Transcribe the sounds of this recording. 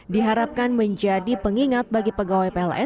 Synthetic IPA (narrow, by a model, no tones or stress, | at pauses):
diɦaɾap̚kanməɲd͡ʒadipəŋiŋat̪̚baɡipəɡawajpelʔɛ